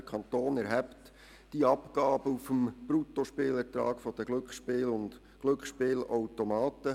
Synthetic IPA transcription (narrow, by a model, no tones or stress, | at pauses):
əkʰɑnt̪oːnɛɾɦɛpt | d̥iɑpɡ̥ɑːb̥əufəmb̥ɾut̪oʃpeːlɛɾtɾɑ̰ːɡ̥fɔd̥̪əɡ̥lɵkχʃpeːlʊnd | ɡ̥lʏkχʃpeːlawtomɑːt̪ə